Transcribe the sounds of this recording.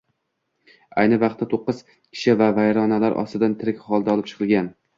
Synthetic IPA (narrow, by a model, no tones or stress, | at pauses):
ajnɪvɑqt̪ːat̪ʰoqːɨz̥ | kʲʰɪ̥ʃɪvavajɾɒnalaɾʔɒ̰st̪ɪd̪ant̪ʰɪɾɪkʲχɒlˠd̪aɒlɪpt͡ʃʰɨ̥qʰɨlˠɡʲan